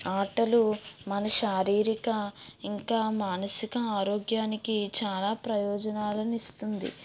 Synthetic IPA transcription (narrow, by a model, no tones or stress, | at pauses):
aːʈɐlumɐnɐʃaːɾiːɾikɐiŋkaːmaːnɐsikɐaːɾoːɡjaːnikit͡ʃaːlaːpɾɐjɔːd͡ʒɐnaːlɐnist̪und̪ḭ